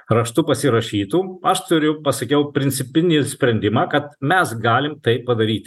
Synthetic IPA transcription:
ɾɐʃt̪upɐsʲɪɾɐʃʲiːt̪uːɐʃt̪ʊɾʲʊpɐsɐkʲɛʊpʲɾʲɪnʲsʲɪpʲɪnʲɪsʲpʲɾʲɛnʲd̪ʲɪmɑːkɐt̪̚mʲɛsɡɑːlʲɪmt̪ɐɪppɐd̪ɐɾʲiːt̪ʲ

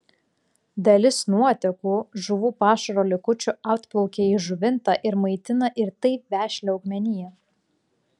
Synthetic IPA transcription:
d̪ɐlʲɪsnuɔt̪ʲɛkuːʒʊʋuːpɑːʃɐɾoːlʲɪkʊt͡ʃʲʊɑʊt̪klˠɔʊkʲeːiːʒʊʋʲɪnt̪ɑˑʔɪɾmɐɪt̪ʲɪnɐʔɪɾt̪ɐɪpʋʲæːʃʲlʲɛɔʊɡmʲɛnʲɪjɛ

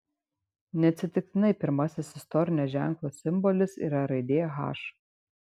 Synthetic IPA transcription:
nʲɛɐt̪ʲsʲɪt̪ʲɪk̚t̪ʲɪnɐɪpʲɪɾmɐsʲɪsɪst̪ɔɾʲɪnʲoːʒʲæˑŋklˠoːsʲɪmbɔlʲɪsḭːɾɐɾɐɪd̪ʲeːjɛɣɑ̰ːʃ

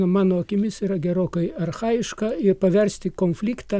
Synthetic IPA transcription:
ɐmɑːnoːɐkʲɪmʲɪsiːɾɐɡʲɛɾoːkɐɪɐrxɑːjɪʃkɐɪrpɐʋʲɛɾʲsʲt̪ʲɪkoːnʲfʲlʲiːkt̪ɐː

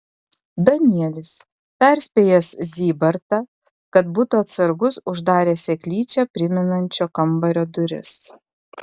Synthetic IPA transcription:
d̪ɐnʲiɛlʲɪs | pʲɛˑɾʲsʲpʲeːjɛszʲiːbɐɾt̪ɐ | kɐt̪buːt̪uɐt̪sɐɾɡʊsʊʒd̪ɑːɾʲeːsʲɛkʲlʲiːt͡ʃʲɛpʲɾʲɪmʲɪnɐnʲt͡ʃʲoːkɐmbɐɾʲoːd̪ʊɾʲɪ̰s

